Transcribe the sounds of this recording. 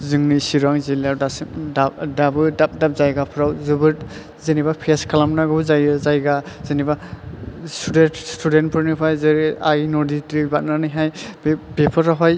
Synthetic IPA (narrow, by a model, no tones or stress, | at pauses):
zɯŋnisiɾaŋzilaɾdasimdadabɯdadap̚zajɡapʰɾawzɯbɯɾ | zenibapʰeskʰalamnaɡɯzajzajɡazeniba | stʰudestʰuden̚pʰɯɾnipʰajzeɾajnɔditɾibat̚nanɯjɦajbpepʰɔɾaɦɔj